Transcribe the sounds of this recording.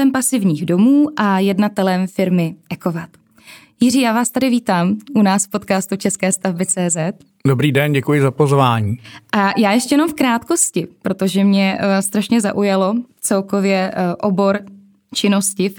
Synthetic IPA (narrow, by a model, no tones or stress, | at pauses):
ɛmpasɪvɲiːɣdo̞muːʔajɛdnat̪ɛlɛmfɪɾmɪʔɛko̞vat̪ | jɪr̝iːjaːvaːst̪adɪviːt̪aːmʔunaːsfpo̞t̪kaːst̪ut͡ʃɛskɛːst̪avbɪt͡sɛːzɛt̪̚ | dobɾiːdɛnɟɛkujɪzapozvaːɲiːʔajaːjɛʃcɛjɛnomfkɾaːt̪ko̞scɪpɾo̞t̪o̞ʒɛmɲɛst̪ɾaʃɲɛza̰ʔujalo̞t͡sɛlko̞vjɛʔobo̞ɾ | t͡ʃɪno̞scɪ